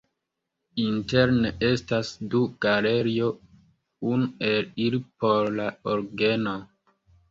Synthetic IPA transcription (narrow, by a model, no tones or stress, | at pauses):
inte̞ɾnee̞stasduɡ̥aleɾio | unue̞lilipo̞ɾlaoɾɡe̞no